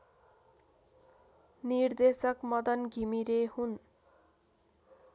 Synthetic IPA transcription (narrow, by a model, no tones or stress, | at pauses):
nird̪esʌkmʌd̪ʌnɡʱimiɾehun